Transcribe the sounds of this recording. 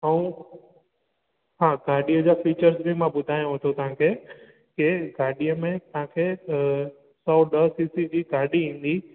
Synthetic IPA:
əũ | ɦãːɡaːɾɗijəd͡ʑaːfiːt͡ɕəɾzbimãbʊd̪ʱaːjõɦət̪ʰot̪ɐɦãkʰeː | kɪɡaːɗijəmẽt̪ɐɦãkʰeː | sɔːɗəsiːsid͡ʑiːɡaːɾɗiĩːn̆d̪iː

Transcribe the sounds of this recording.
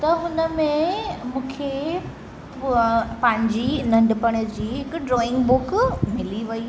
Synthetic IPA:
t̪ɐɦʊnəmẽmũːkʰe | pɐ̃ɦɪ̃ɲd͡ʑinɐ̃ɳɖpɐɽ̃əd͡ʑiːɦɪkɖɾɔːɪ̃ŋɡbʊkmɪliʋɐi

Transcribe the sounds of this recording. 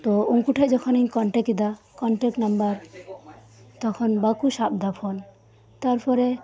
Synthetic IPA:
t̪ɔuŋkuʈʰajd͡ʒɔkʰɔniɲkɔɳʈɛkid̪akɔɳʈɛk̚ʈnambaɾ | t̪ɔkʰɔnbakuʃab̚d̪apʰɔn | t̪aɾpʰɔɾe

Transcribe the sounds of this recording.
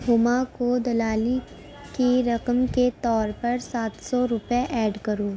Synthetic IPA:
ɦʊmakod̪ɐlaːli | kiɾɐqəmket̪ɔːɾpɐɾsaːt̪sɔɾʊpjeʔɛːɖkɐɾoː

